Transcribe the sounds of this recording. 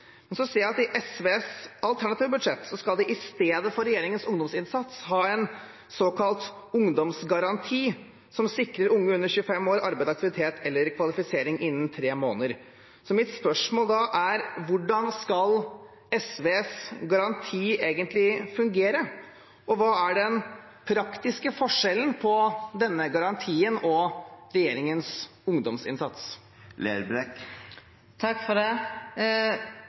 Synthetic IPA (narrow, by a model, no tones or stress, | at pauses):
mɛnsɔseːjæɪɑt̪ɪʔɛsʋeːsɑlt̪ʰæɳɑt̪iːʋəbʉd̪ʂɛt̪ːsɔskɑld̪ɛʔɪst̪eːd̪əfɔɾɛjeːɾɪŋənsʊŋd̪ɔmsɪnsɑt̪shɑːɛn | soːkʰɑlt̪ʊŋd̪ɔmsɡɑɾɑnt̪ʰiː | sɔmsɪkɾəɾʊŋːəʉnːəɾçʉːəfɛmoːɾɑ̰ɾbæɪd̪sɑk̚t̪ɪʋɪt̪ʰeːt̪ʰɛlːəɾkʰʋɑlɪfɪseːɾɪŋʔɪnːnt̪ʰɾeːmo̰ːnəɾ | sɔmɪt̪spœʂmoːld̪ɑʔæɾʋʊɖɑnskɑl | ɛsʋeːsɡɑɾɑnt̪ʰiːeːɡənt̪lɪfʉŋɡeːɾə | ʔɔʋɑːæɖɛn | pʰɾɑkt̪ɪskəfɔʂɛlən̩pʰɔd̪ɛnːəɡɑɾɑnt̪ʰiːənɔɾɛjeːɾɪŋəns | ʊŋd̪ɔmsɪ̰nsɑt̪s | lḛːɾbɾɛk | t̪ʰɑkːfɔɖɛ